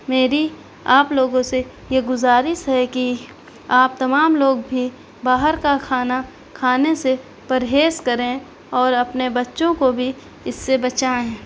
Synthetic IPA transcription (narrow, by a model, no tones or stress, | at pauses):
meːɾi | aːploːɡõse | jeɡʊzaːɾɪʃɦɛki | aːp̚t̪ɐmaːmloːɡbʱi | baːɦəɾkakʰaːna | kʰaːnese | pɐɾɦeːskɐɾẽ | ɔːɾɐpnebɐtːʃõkobʱi | ɪsːebɐt͡ʃaːẽ